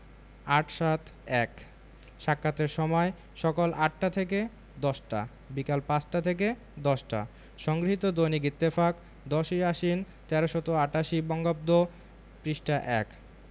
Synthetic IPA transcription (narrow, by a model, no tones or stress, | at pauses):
aʈʃat̪ɛk | ʃakːat̪eɾʃɔmɔe | ʃɔkolʔaʈ̚ːat̪ʰek̬e | d̪ɔʃʈa̰ | bikalpãt͡ɕʈat̪ʰek̬e | d̪ɔʃʈa̰ | ʃɔŋɡɾiɦit̪od̪oniɡit̪ːefak | d̪ɔʃiaʃin | t̪ɛɾoʃɔt̪oaʈaʃibɔŋɡob̚d̪o | pɾiʃʈaʔɛk